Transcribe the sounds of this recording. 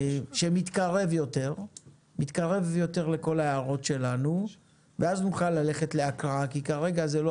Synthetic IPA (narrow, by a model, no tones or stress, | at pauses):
ʃe̞mit̪kaʁe̞vjo̞te̞ʁ | mit̪kaʁe̞vjo̞t̪e̞ʁle̞ko̞laeːʁo̞tʃe̞lanu | veaznuχalːale̞χe̞tleakʁakikaʁe̞ɡazelo